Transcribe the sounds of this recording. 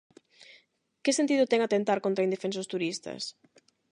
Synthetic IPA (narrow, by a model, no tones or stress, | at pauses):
kɪsent̪iðʊt̪ɛŋat̪ent̪aɾkont̪ɾaind̪efensʊst̪uɾist̪ɐ̰s